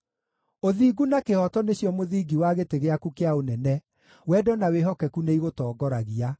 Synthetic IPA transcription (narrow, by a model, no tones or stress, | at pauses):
oðiːɡunakehɔtɔneɕjɔmoðiːɡiwaɣeteɣeakukeaonɛnɛ | wɛdɔnaweɦɔkɛkuneiɣotɔːɡɔɾaɣia